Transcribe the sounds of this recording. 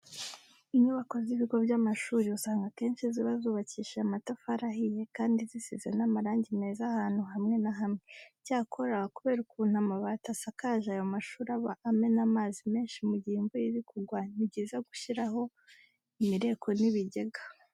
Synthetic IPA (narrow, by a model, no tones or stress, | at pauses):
iɲuβako̞ziβiɡo̞bjamaʃuːɾiusaːŋɡake̞ːnʃiziβazuːβaciʃeamatafaɾaɦije̞kaːndizisizenamaɾaːɲɟime̞ːzahaːn̥huɦamŋe̞naɦamŋecaːkʰo̞ɾakuβe̞ːɾukuːn̥hamaβatasakaʒaːjo̞maʃuːɾaβaːme̞namaːzime̞ːnʃimuɟiːmbujiɾikuɡwaniɟiːzaɡuʃiɾaɦo̞ | imiɾe̞kʰo̞niβiɟe̞ɡa